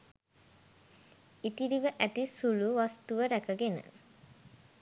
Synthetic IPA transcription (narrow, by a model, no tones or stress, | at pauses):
it̪iɾiʋəʔæt̪isuluʋast̪uʋəɾækəɡenə̰